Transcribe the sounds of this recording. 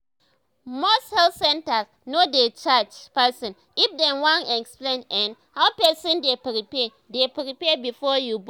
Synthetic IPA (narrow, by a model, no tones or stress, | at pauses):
mɔshɛlsɛ̃ntas | nodet͡ʃad͡ʒpɛsɔ̃n | ifdɛ̃nwãnɛksplẽnɛ̃n | hawpɛsɔ̃ndepɾipɛ | depɹipɛbifɔjub